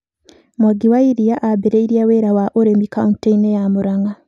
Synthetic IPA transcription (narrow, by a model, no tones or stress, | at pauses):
mwaɡiwaiɾijaʔabeɾeiɾjaweɾawaʔoɾemikaunteinejamuɾaŋa